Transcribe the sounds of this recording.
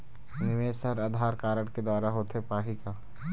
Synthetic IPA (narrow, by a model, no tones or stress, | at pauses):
nɪʋeːsəɾad̪ʱaːɾkaːɾəɽked̪waːɾaɦoːt̪ɦepaːɦika